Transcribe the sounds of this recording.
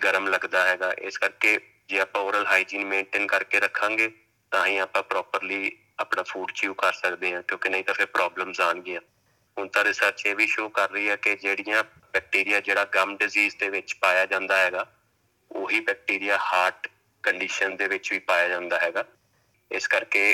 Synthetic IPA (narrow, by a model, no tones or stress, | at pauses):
ɡəɾəmləɡd̪aːɦɛːɡaːʔɪ̰skəɾkeː | d͡ʒeːaːpãːoːɾəlɦaːid͡ʒiːnmẽːɳʈɪːnkəɾkeːɾəkʰːãːŋɡeː | t̪ãːɦĩːaːpãːpɾɔːpəɾliː | aːpɳãːpʰuːɖt͡ʃjuːkəɾsəkd̪eːɦãːkjõːkɪnəɦĩːt̪ãːpʰɪɾpɾaːbləmsaːnɡɪãː | ɦʊnt̪ãːɾɪsəɾt͡ʃeːʋiːʃoːkəɾːəiːɛːkɪd͡ʒeːɽijãː | bɛːk̚ʈiːɾɪjaːd͡ʒeːɽaːɡəmɖɪziːzd̪eːʋɪt͡ʃpaːjaːd͡ʒãːnd̪aːɦɛːɡaː | oːɦiːbɛːk̚ʈiːɾɪjaːhaːɾʈ | kəɳɖiːʃənd̪eːʋɪt͡ʃʋiːpaːjaːd͡ʒãːnd̪aːɦɛːɡaː | ɪskəɾkeː